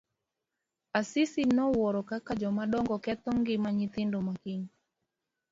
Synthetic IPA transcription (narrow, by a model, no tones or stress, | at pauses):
asisinɔwɔɾɔkakad͡ʒɔmaɗɔŋɡɔkɛt̪ɔŋɡimaɲit̪indɔmakiɲi